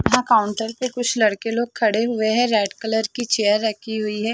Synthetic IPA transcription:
jɦãkaːʊɳʈəɾsekʊt͡ʃʰlɐɽkeloːɡ̚kʰɐɽeɦʊeɦɛ̃ɾɛːʈkələɾkit͡ʃeːjəɾːɐkʰiɦʊiɦɛː

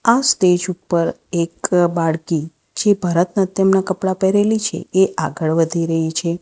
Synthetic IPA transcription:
ast̪ed͡ʒupːəɾekbaɭki | d͡ʒebʱəɾət̪nat̪jəmnakəpɽapɛɾelit͡ʃʰḛeʔaɡəɭʋəd̪ʱiɾəɦit͡ʃʰe

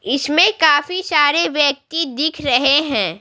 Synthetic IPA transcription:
ɪsmẽkaːfisaːɾeʋjɐk̚t̪id̪ɪkʰɾɐɦeɦɛ̃ː

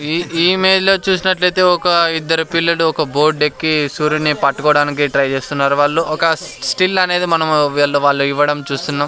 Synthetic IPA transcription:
iiːme̞ːd͡ʒlo̞ːt͡ʃuːs̬inɐʈlɐjt̪e̞ːɔkɐid̪ːɐɾupilːɐluɔkɐbo̞ːɾɖ̚ɖe̞kːisuːɾinipɐʈːɐkɔːɽaːnik̬iʈɾɐjt͡ʃe̞ːst̪unːaːɾuʋaːɭːuɔkɐsʈilɐne̞ːd̪imɐnɐmiɭːuʋaːɭːuiʋːɐɽɐmt͡ʃuːst̪unːaːm

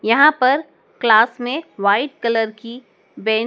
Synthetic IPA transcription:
jɐɦãpɐɾ | klaːsmẽʋaːɪʈ̚kɐləɾki | bɛː

